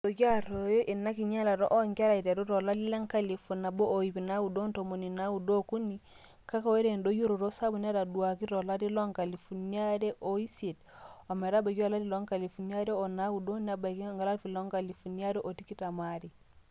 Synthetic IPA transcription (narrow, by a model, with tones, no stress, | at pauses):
do˨ɡa˦ɾo˨jo˦ʔi˨na˦ki˨ɲa˦la˨ɾo̰˦ʔo˦ŋka˦ɾa˨i˨te˨ɾu˦ɾo˨la˦di˦le˦ŋka˦li˨fu˨na˨bo˦ʔo˨i˨pi˨na˦wu˨do˦nto˨mo˨ni˨na˦wu˨do˦ku˦ni˨ | ka˦ka˨we˦ɾe˨ndo˦ju˦ɾo˨ɾo˦sa˦bu˨n˦a˦ɾa˨du˨a˨ki˦ɾo˨la˦ti˦lo˦ŋka˨li˨fu˨ni˦a˦ɾe˦ʔo˨i˦se˨to˨me˨ɾa˦ba˨ɡa˦˨la˦di˦lo˦ŋka˨li˨fu˨ni˦a˦ɾe˦o˨na˦wu˨do˦ni˨a˨ba˨ki˦ŋɡa˨la˦fi˨lo˦ŋka˨li˨fu˨ni˦a˦ɾe˦ʔo˨ti˦ki˦ta˨ma˦ɾi˨